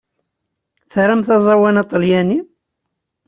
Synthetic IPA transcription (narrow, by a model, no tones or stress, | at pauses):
θɾamθɑzˤɑwænɑt̪ˤːəljæni